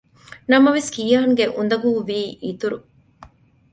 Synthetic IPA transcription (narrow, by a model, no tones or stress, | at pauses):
nɐmɐʋeskijɐɦɐŋɡeʔund̪ɐɡuːʋiːʔiːt̪uɾu